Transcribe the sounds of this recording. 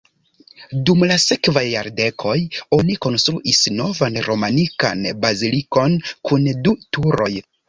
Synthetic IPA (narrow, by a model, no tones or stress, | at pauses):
dumlase̞kvajːaɾde̞kʰo̞jo̞niko̞nst̪ɾuʔisno̞vanɾo̞manika̰nbaziliko̞nkʰundutuɾo̞j